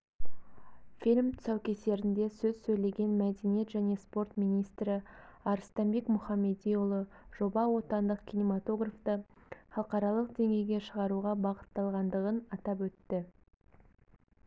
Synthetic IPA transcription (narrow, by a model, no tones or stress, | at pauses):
fʲilʲmt̪ʰʏ̥sɑwkʲʰe̞st̪e̞ɾɪnd̪e̞sɵzsɵjle̞ɡʲe̞nmæd̪e̞nije̞t̪ʒæne̞spo̞rt̪mʲijnijst̪ɾɪɑɾəst̪ɑnbe̞kmʊχɑmːe̞d̪ijulˠə | ʒo̞bɑwo̞t̪ɑnd̪əqkʲʰijnemat̪o̞ɡraft̪əχɑlˠqɑɾɑlˠəq̚d̪e̞ŋɡʲe̞jɡʲe̞ʃəʁɑɾuʁɑbɑqə̥t̪ːɑlˠʁɑnd̪əʁənɑt̪ɑpwɵt̪ːɪ